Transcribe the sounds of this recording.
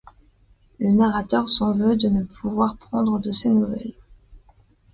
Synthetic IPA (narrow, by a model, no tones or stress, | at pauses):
lənaʁat̪œʁsɑ̃vød̪ənəpʰuvwaʁpχɑ̃d̪ʁəd̪əsenuvɛ̰l